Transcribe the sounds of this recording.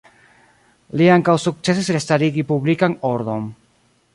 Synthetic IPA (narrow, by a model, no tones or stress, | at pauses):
liaŋkawsuk̚t͡se̞sisɾest̪aɾiɡipublikaŋoɾd̪on